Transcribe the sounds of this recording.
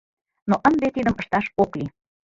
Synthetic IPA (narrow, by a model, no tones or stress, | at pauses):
noʔənd̪et̪id̪əməʃt̪ɑʃokli